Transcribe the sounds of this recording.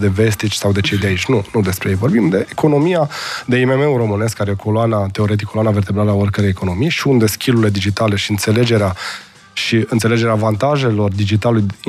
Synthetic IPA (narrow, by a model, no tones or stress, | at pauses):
d̪e̞vest̪it͡ʃʲsawd̪e̞t͡ʃe̞jd̪eait͡ʃʲnunud̪e̞spɾejejvo̞rbimd̪e̞ːkʰo̞no̞mijad̪e̞ime̞me̞uro̞mɨne̞skaɾejekʰoloanat̪eo̞ɾe̞t̪̬ikʰːoloanave̞rt̪e̞bɾaləaorkəɾejekʰo̞no̞mijʃiund̪e̞skʲilule̞d̪id͡ʒit̪ale̞ʃiɨnt̪se̞le̞d͡ʒe̞ɾea | ʃiɨnt̪sele̞d͡ʒe̞ɾeaːvant̪aʒe̞lo̞rd̪id͡ʒit̪aluluj